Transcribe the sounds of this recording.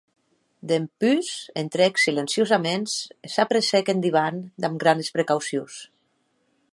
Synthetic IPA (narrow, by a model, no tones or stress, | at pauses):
d̪empysent̪ɾeksilensjozamensesapɾesekend̪iβ̞and̪amɡɾanespɾekawsios